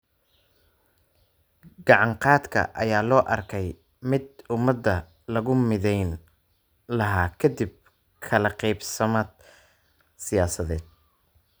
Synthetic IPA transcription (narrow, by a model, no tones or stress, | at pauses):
ɡɑʕɑɴqɑːd̪kʰɐ̰ʔɐ̰jaːlɔːʔɐrkʰɛj | mɪd̪ʊmɐd̪ːɐ | lɐɣʊmɪðɛjn | lɐɦaːkʰɐd̪ib̚ | kʰɐlɐqɛjbsɐmaːd̪̚ | sɪjaːsɐðɛːd̪̚